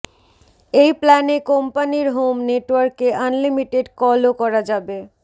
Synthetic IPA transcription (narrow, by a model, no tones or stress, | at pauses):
ejplɛnekompaniɾɦomneʈwaɾkeʔanlimiʈeɖkɔlokɔɾad͡ʑabe